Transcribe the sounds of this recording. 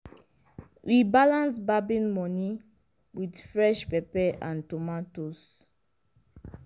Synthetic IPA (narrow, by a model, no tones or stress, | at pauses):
wibalãnsbabĩnmɔni | widfɹɛʃpɛpɛʔã̰ntomatos